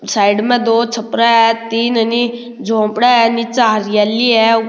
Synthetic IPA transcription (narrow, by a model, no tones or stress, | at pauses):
saːɪɖmɛ̃d̪oːt͡ʃʰəpɾaɛt̪iːnəni | d͡ʒõːpɽaɛnit͡ʃaːɾɪjaːliːɛː